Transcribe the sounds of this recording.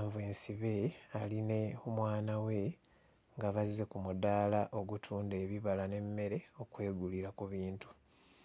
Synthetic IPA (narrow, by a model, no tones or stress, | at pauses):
aɱvue̞ːnsiβe̞aline̞omwaːnawe̞ | ŋɡaβaze̞kumud̪aːlaʔo̞ɡutʰuːnde̞ːβiβalane̞mːe̞ɾe̞o̞kwe̞ːɡuliɾakuβiːntu̥